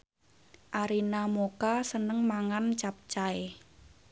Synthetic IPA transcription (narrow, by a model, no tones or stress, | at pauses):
ʔaɾinamokasənəŋmaŋant͡ʃap̚t͡ʃae